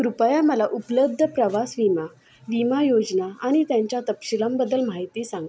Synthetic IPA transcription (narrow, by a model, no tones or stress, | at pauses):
kɾupjaməlaʔupləb̚d̪ʱəpɾəʋasʋima | ʋimajod͡ʑnaaɽ̃it̪jaɲt͡ɕjat̪əpɕiləmbəd̪əlmaɦit̪iːsãŋɡ